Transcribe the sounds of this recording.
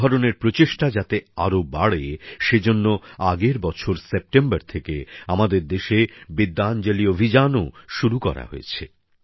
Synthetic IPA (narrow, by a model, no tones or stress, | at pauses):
ɔɾoneɾpɾot͡ɕeʃʈad͡ʑat̪eaɾobaɽeʃed͡ʑonːoaɡeɾbɔt͡ɕʰoɾsep̚ʈembaɾt̪ʰekeamad̪eɾd̪eʃebid̪ːand͡ʑeliobʱid͡ʑanoʃuɾukɔ̰ɾa̰ɦo̰ḛt͡ɕʰe